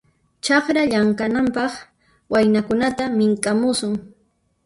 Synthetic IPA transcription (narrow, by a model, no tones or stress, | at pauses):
t͡ʃɑχɾaʎaŋkanampɑχ | wajnakʊnat̪amɪŋkʼamʊsʊŋ